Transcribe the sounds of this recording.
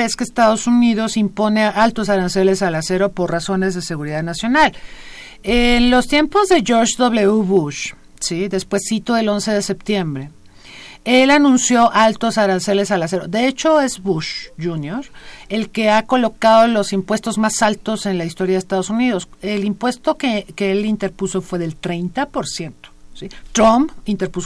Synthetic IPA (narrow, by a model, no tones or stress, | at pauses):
eskeːst̪aðo̞suniðo̞simpo̞ne̞ʔalt̪o̞s̬aɾanse̞le̞salase̞ɾo̞po̞rraso̞ne̞zðe̞se̞ɣuɾiðaðnasjo̞nal | enlo̞st̪je̞mpo̞zðe̞ʝo̞ɾʃðo̞βle̞uβuʃ | siðe̞spwe̞sːit̪oðe̞lo̞nse̞ð̞e̞se̞pt̪je̞mbɾe | elanũnsjo̞ʔalt̪o̞saɾanse̞le̞salase̞ɾo̞d̪e̞e̞t͡ʃo̞e̞zβuʃʝunjoɾe̞lke̞ako̞lo̞kað̞o̞lo̞simpwe̞st̪o̞zmasalt̪o̞se̞nlaist̪o̞ɾjaðest̪að̞o̞suniðo̞selimpwe̞st̪o̞kekeelint̪e̞ɾpuso̞fweðe̞lt̪ɾe̞jnt̪apo̞ɾsje̞nt̪o̥sit̪ɾompint̪e̞ɾpuso